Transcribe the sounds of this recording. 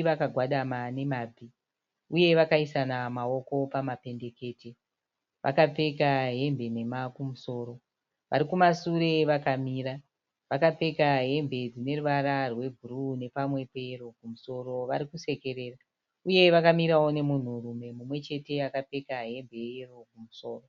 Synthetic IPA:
ʋakaɡʱwaɗamane̞maːb͡vʱi | uje̞ʋakaisanamao̞ko̞pamape̞nde̞ke̞ːte̞ | ʋʔa̰kap͡fe̞kaɦe̞mbe̞ne̞makumuso̞ːɾo̞ | ʋa̰ɾikumasuɾe̞ʋakamiːɾa | ʋakap͡fe̞kaɦe̞mbe̞d͡zine̞ruʋaɾarwe̞vʱurune̞pamwe̞pe̞ro̞kumuso̞ro̞ʋaɾikuse̞ke̞ɾe̞ːra | uje̞ʋakamiɾawo̞ne̞mun̤urume̞mumwe̞t͡ʃe̞te̞akap͡fe̞kaɦe̞mbe̞ero̞kumuso̞ːro

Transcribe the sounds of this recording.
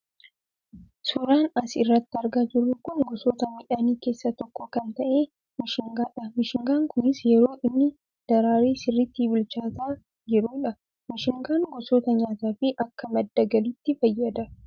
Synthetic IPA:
suɾaːnɐsɪrːɐt̪ːɪɐɾɡad͡ʒɪrːʊkʊnɡɔsoːt̪ɐmɪᶑɐniːke̞ːsːɐt̪ɔkːokɐnt̪ɐʔe̞ː | mɪʃɪŋɡaːᶑɐmɪʃɪŋɡaːŋkʰʊnɪsjɛɾo̞ːʔɪnːɪ | d̪̥ɐɾaːɾeːsɪrːɪt̪ːiːbɪlt͡ʃaːt̪aː | d͡ʒɛɾuːᶑɐ | mɪʃɪŋɡaːŋɡɔsoːt̪ɐɲaːt̪aːfɪʔɐkːɐmɐd̪ːɐɡɐlɪt̪ːɪfɐjːɐd̪ɐ

